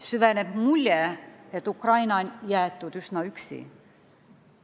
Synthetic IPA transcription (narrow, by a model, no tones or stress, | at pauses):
syveneb̥mulʲːjeet̪ːˑukrɑjnɑnjæːt̪ːˑud̪ysnɑyksḭ